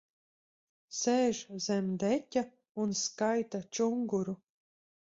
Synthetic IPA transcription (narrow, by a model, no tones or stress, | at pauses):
sɛːʒzɛmd̪ɛtʲa | unskajt̪at͡ʃuŋɡuɾu